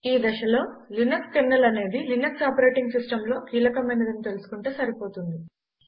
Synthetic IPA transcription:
iːd̪ɐʃɐlo̞ːlinɐkskeɾnːɐlɐne̞ːd̪ilinɐksaːpɐɾe̞ːʈiŋɡsisʈɐmlo̞ːkiːlɐkɐmɐjnɐd̪ɐnit̪e̞lusu̥kuɳʈeːsɐɾipo̞ːt̪und̪i

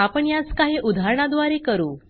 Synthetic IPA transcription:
apəɳjat͡skaɦiʔud̪ʱaɾɳad̪ʋaɾekəɾuː

